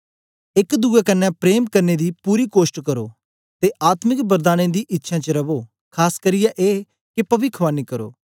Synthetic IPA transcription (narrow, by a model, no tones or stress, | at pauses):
ɪkd̪uːɛːkənːɛ̃ːpɾeːmkəɾneːd̪iːpuːɾiːkoːsʈkəɾo̰ː | t̪eːʔaːt̪mɪkbəɾd̪aːɽ̃ẽːd̪iːʔɪtːʃʰãːt͡ʃəɾəʋoː | kʰaːskəɾijɛʔeː | kɪpəʋɪkʰʋaːniːkəɾo̰ː